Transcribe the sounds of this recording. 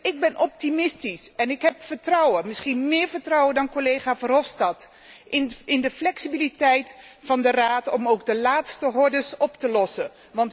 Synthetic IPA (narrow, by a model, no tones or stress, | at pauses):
ɪɡ̚bɛnʔɔp̚timɪstisɛnɪkɦɛpfəɹtrʌwəmɪsχinmɪːɹvəɹtrɔwəndɑnkolejχaːvɑnɦɔfstɑt | ɪnɪndəflɛksibilitɛjtfɑndəraːtɔmowɡ̚dəlaːtstəɦɔɹdəsɔptəlɔsə | ʋɑnt